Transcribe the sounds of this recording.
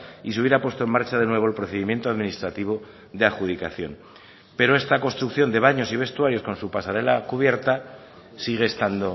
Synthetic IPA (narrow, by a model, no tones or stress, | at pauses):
is̬euβjeɾapwe̞st̪oe̞nmaɾt͡ʃaðe̞nwe̞β̞o̞elpɾo̞θeimje̞nt̪o̞aðminist̪ɾat̪iβ̞o̞ | ðeaxuð̞ikaθjo̞̰n | pe̞ɾo̞e̞st̪ako̞nst̪ɾukθjo̞nd̪e̞βaɲo̞siβe̞st̪uaɾjo̞sko̞nsupasaɾe̞lakuβje̞ɾt̪a | siɣ̞e̞ːst̪and̪o̞